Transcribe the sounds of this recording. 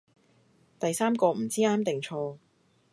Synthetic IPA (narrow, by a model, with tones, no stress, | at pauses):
t̪ɐ˨jsaː˥mkɔː˧m̩˨˩t͡siː˥aː˥mt̪ɪ˨˩ŋt͡ʃʰɔː˧